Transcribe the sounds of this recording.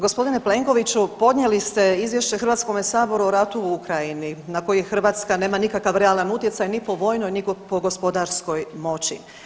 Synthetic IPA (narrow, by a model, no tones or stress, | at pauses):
ɡo̞spo̞d̪ineple̞ŋko̞ʋit͡ɕupo̞d̪nɲjelist̪e̞izʋje̞ʃt͡ɕexɾrʋat̪sko̞mesaːbo̞ɾuoɾat̪uukɾajininako̞jexrɾ̩ʋaːt̪skane̞ːmanikakaʋɾealˠanut̪je̞t̪sajnipo̞ʋo̞ːjnojniɡpo̞ɡo̞spo̞d̪aɾsko̞jmo̞t͡ɕḭ